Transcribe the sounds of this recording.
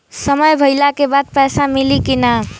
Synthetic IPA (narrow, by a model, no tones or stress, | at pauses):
səməjbʱəjlakebad̪̚pɛjsamilikina